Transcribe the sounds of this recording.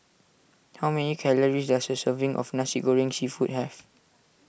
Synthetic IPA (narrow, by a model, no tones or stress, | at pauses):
hawmɛnikʰɛləɹisdasdəsəvĩŋʔɔ̰fnasiɡoɹĩŋsifut̚hɛf